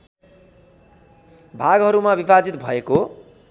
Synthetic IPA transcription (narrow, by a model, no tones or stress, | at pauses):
bʱaɡɦʌɾumabibad͡zit̪bʱʌeko